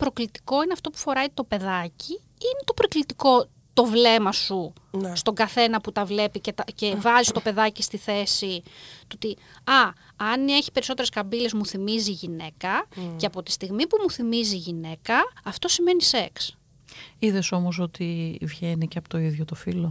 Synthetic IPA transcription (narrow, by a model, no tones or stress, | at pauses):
pɾo̞klit̪i̥ko̞ineɐft̪o̞pu̥fo̞ɾɐit̪o̞pe̞ðɐci | inet̪o̞pɾoklit̪iko̞ | t̪o̞vle̞mɐsu | st̪o̞ɡɐθe̞nɐput̪ɐvle̞picet̪ɐcevɐzist̪o̞pe̞ðɐcist̪iθe̞sit̪ot̪i | ɐ | ɐne̞çi̥pe̞ɾiso̞t̪eɾeskɐbile̞zmuθimiziʝine̞kɐceɐpo̞t̪i̥st̪iɣmipumuθimiziʝine̞kɐːft̪o̞sime̞nise̞ks | iðe̞so̞moso̞t̪ivjʝeniceɐpot̪o̞iðʝot̪ofilo̞